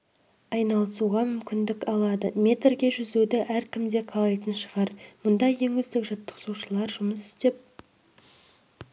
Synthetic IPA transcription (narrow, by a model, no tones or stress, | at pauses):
ɑjnɑlˠəsuʁɑmʏmkʲɪnd̪ɪkɑlˠɑd̪əmʲe̞t̪rɡʲe̞ʒʏzud̪ɪʔæɾkʲɪmd̪e̞qʰɑlˠɑjt̪ənʃəʁɑɾmʊnd̪ɑje̞ŋɵzd̪ɪkʒɑt̪ːə̥qsuʃəlˠɑɾʒʊməsɪ̥st̪e̞p̚